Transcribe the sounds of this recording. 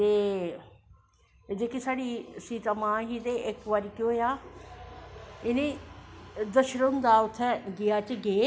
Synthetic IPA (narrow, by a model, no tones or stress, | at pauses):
t̪eː | d͡ʒeːkisaːɽisiːt̪amãːɦid̪eʔɪkʋəɾkjoːjaː | ɪnẽ | d̪əʃɾənd̪aːʊt̪ʰːɛ̃ɡiaːt͡ʃɡeː